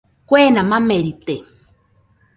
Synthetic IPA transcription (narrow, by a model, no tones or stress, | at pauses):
kʷenamameɾit̪e